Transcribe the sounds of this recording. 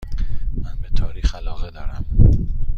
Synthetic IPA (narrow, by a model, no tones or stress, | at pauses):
mænbet̪ʰɒːɾiːxælɒːɣed̪ɒːɾæm